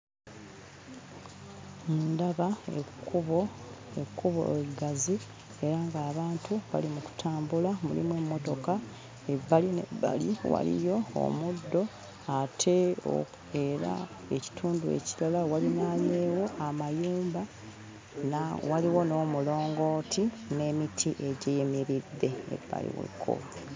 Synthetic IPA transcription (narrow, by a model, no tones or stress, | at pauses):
mundaβaḛkuβoekːuβo̰eɡazi | e̞ɾaŋɡaːβaːntʰuβa̰limuku̥tʰaːmbulamṵlḭmwemːo̞to̞ka | ebːalinḛbːa̰liwa̰lḭjo̞o̰mudːo̞ | atʰe̞o̰ | e̞ɾa̰ | eci̥tʰuːnduḛcilalawalinaːɲeːwo̞ʔamajuːmba | nawaliwo̞no̞ːmulo̞ːŋɡo̞ːtʰi | ne̞mitʰiʔeɟejemiɾidːe̞ḛbːa̰lḭwḛkʰːo̰βa